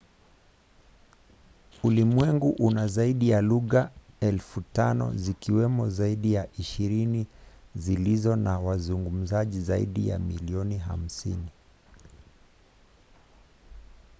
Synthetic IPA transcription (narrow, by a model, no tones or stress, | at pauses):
ulimwɛŋɡuʔunazaiɗijaluɣaɛlfutanɔ̰zikiwɛmɔzaiɗijaʔiʃiɾinizilizɔnawazuŋɡum̩zaʄizaḭɗija̰miliɔniɦa̰m̩sḭni